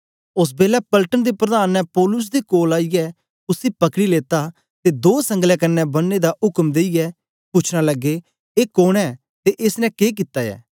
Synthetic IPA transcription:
ʊs̬beːlɛpɐlʈənd̪epɾəd̪aːnːɛ̃pɔːlʊs̬d̪ekoːlaːijɛ | ʊsipɐkɽileːt̪a | t̪ed̪oːsə̃ŋɡlɛkɐnːɛ̃bɐnːed̪aʔʊkəmd̪eːijɛ | pʊt͡ʃʰɽalɐɡːe | eːkoːɽ̃ɛː | t̪eʔɪsnɛ̃keːk̬ɪt̪ːajɛ̰ː

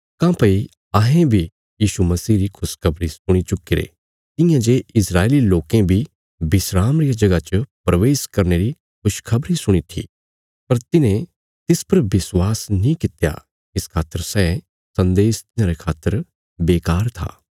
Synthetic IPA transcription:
kãːpɐi | aːɦẽbʱi | jiːʃumɐsiːɾikʰʊskʰɐbɾisʊɽ̃it͡ʃʊkːiɾḛ | t̪ɪ̃jãd͡ʒeːɪsɾaːeliloːkẽbʱi | bɪsɾaːmɾijad͡ʒɐɡat͡ʃəpɾɐʋeːskɐɾneɾi | kʰʊʃkʰɐbɾisʊɽ̃it̪ʰḭ | pɐɾt̪ɪnẽ | t̪ɪspɐɾbɪswaːsnĩkɪt̪ja̰ | ɪskʰaːt̪ːəɾsɛː | sɐ̃nd̪eːst̪ɪjãɾekʰaːt̪ːəɾ | beːkaːɾt̪ʰa̰ː

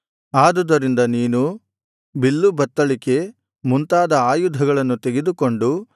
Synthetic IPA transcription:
aːd̪ud̪ɐɾind̪ɐniːnu | bilːubɐt̪ːɐɭike̞ | munt̪aːd̪ɐaːjud̪ʱɐɡɐɭɐnːut̪eɡe̞d̪uko̞ɳɖu

